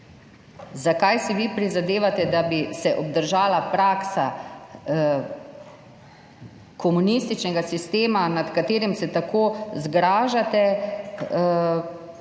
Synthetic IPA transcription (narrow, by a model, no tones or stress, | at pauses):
zakajsiʋipɾizad̪eːʋat̪ɛd̪abisɛʔɔb̚d̪əɾʒaːlapɾaksa | kɔmunist̪it͡ʃnɛɡasist̪eːmanat̪kat̪eːɾimsɛt̪akoːzɡɾaːʒat̪ɛ